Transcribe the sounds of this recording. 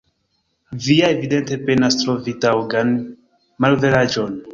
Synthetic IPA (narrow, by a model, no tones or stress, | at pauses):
viaevide̞nte̞pe̞nastɾo̞vitawɡan | malvelad͡ʒo̞n